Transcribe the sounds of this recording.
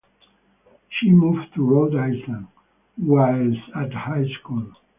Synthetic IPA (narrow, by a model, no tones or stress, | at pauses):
ʃimuvtʰuɹodajslə̃n | waɪlsæthaɪskul